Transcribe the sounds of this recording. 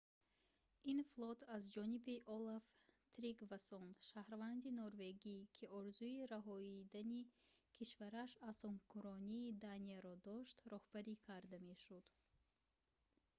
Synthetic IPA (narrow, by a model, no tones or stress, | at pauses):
inflˠɔt̪ʰazd͡ʒɔnibiʔɔlaft̪ʰɾiɡvasɔnʃahɾvand̪inɔɾve̞ɡikʰiɔɾzuiɾaɦɔid̪anikʰiʃvaɾaʃasɔŋkʰuɾɔniːd̪aniaɾɔd̪ɔʃt̪ɾɔhbaɾikʰaɾd̪ame̞ʃud̪̥